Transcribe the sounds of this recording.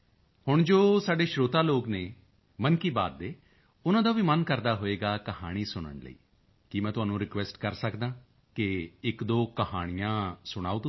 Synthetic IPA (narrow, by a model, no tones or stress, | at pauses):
hʊɳd͡ʒoːsaːɖeːʃɾoːt̪aːloːkneː | mənkiːba̰ːd̪̚ːeː | ʊnãːd̪aːʋiːmənkəɾd̪aːɦoːeːɡaːkəhaːɽ̃iːsʊɽ̃ə̰ɳlə̰ḭː | kɪmɛ̃ːt̪ʊɦaːnũːɾɪkʋɛːsʈkəɾsəkd̪ãː | kɪɪkd̪oːkəhaːɽ̃ijãːsʊɽ̃a̰ːuːt̪